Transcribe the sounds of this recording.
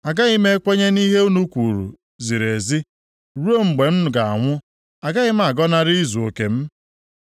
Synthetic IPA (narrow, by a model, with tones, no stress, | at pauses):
a˨ɡa˦ɣɪ˦me˦kʷe˦ɲe˦ni˦ɦe˦u˦nu˦kʷu˨ɾṵ˨ | zi˨ɾe˨zi˦ | ɾu˦o˦ŋ͡m̩˨ɡ͡be˨m̩˦nʊ˨ɡa˨a̰˨ŋʷʊ˦ | a˨ɡa˦ɣɪ˦m̩˦a˨ɡɔ˦na˦ɾɪ˦zu˨o˨ke˨m̩˦